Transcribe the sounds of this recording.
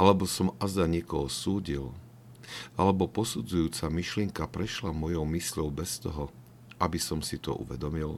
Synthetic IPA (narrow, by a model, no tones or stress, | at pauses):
ʔalɛbɔsɔmazd̪aɲɪɛkɔɦɔsuːɟil | alɛbɔpɔsud͡zujuːt͡samiʃlɪɛŋkapɾɛʃlamɔjɔʊmisʎɔʊbɛst̪ɔɦɔ | ʔabisɔmsit̪ɔ̰ʔṵʋɛd̪ɔmil